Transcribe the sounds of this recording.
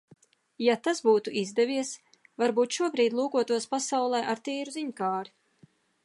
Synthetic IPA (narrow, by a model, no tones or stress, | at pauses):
jat̪asbuːt̪uʔizd̪ɛvʲiɛs | vaɾbuːt̪ʃuɔbɾiːd̪lˠuːkuɔt̪uɔspasawlˠɛjʔaɾt̪iːɾuziɲkaːɾi